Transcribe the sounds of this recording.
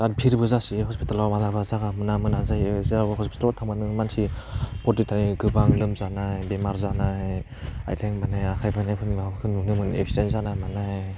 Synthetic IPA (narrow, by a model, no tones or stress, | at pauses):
at̚pʰiɾbɯzasiɦɔspitalawmalabazaɡamɯnamɯnazajzaɦɔspʰi̥talatʰaŋmanɯmansipɔtitaniɡɯbaŋlɯmzanabemaɾzanaj | a̰jtʰeŋmanajakʰajpʰajnajpʰɯnbakʰɯnːunɯmɯnḛkstenzanamana